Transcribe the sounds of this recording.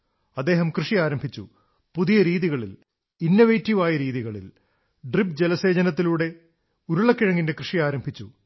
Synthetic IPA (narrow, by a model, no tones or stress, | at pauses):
ɐd̪ːe̞ːɦɐmkrɨʂiaːɾɐmbʱit͡ɕːṵ | puðijɐɾiːðiɣɐɭḭl | inːoʋejtːiʋaːjɐɾiːðiɣɐɭḭl | ɖripd͡ʑelɐse̞ːd͡ʑɐnɐt̪̬ːiluːɽe̞ | uɾuɭɐkːiɻɐŋːinde̞krɨʂijaːɾɐmbʱit͡ɕːu